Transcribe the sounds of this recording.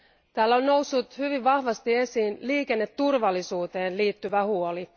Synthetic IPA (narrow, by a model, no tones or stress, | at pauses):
t̪æːlːonno̞usːut̪hyʋiʋʋɑhʋɑst̪ie̞siːnliːke̞nːe̞t̪ːurʋɑlːisuːt̪e̞ːnliːt̪ːyʋæhuo̞li